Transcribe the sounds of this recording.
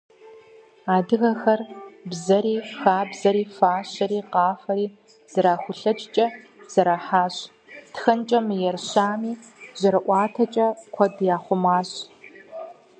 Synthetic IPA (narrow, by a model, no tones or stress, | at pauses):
aːdɨɣɐxɐrbzɐɾiːxaːbzɐɾiːfaːɕɐɾiːqɑːfɐɾiː | z̥ɐɾaːxʷʊɬɐt͡ʃʼt͡ʃʼɐ | z̥ɐɾaːħaːɕ | txɐnt͡ʃʼɐmɨjɛrɕaːmiːz̥ɐɾɨʔʷɑːtʰɐt͡ʃʼɐkʷʰɔdjaːχʷʊmaːɕ